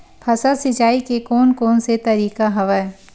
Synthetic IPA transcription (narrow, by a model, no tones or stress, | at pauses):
pʰɐsasɪt͡ʃaːikekɔːnkɔːnset̪ɐɾiːkaɦɐʋə